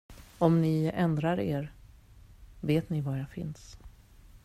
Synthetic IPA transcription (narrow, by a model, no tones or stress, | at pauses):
ɔmnɪɛnd̪ɾaɾeːɾ | veːt̪nɪvajafɪ̰ns